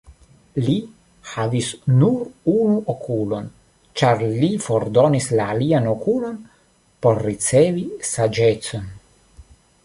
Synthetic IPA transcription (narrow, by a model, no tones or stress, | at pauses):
li | havisnuɾunuʔokʰulo̞n | t͡ʃaɾlifoɾd̪onislaːlianokulo̞n | po̞ɾːit͡sevisad͡ʒet͡so̞n